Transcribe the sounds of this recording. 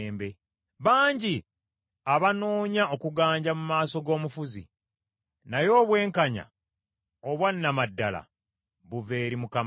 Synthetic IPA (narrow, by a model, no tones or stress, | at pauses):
mbe̞ | βaːɲɟi | aβano̞ːɲao̞kuɡaːɲɟamumaːso̞ɡo̞ːmufuzḭ | najo̞ːβwe̞ːŋkaɲa̰ | o̞βwanːamadːala̰ | βuve̞ːɾimukam